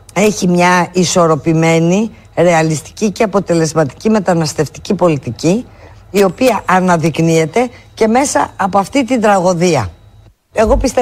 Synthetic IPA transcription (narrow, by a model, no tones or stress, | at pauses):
e̞çimɲɐiso̞ɾo̞pime̞ni | ɾe̞ɐlist̪i̥cice̞ɐpo̞t̪e̞le̞zmɐt̪i̥cime̞t̪ɐnɐst̪e̞ft̪i̥cipo̞lit̪ici | io̞piɐʔɐnɐðiknie̞t̪e̞ce̞me̞sɐ̰ɐpoɐft̪it̪ind̪ɾɐɣo̞ðiɐ̰ | e̞ɣo̞pist̪e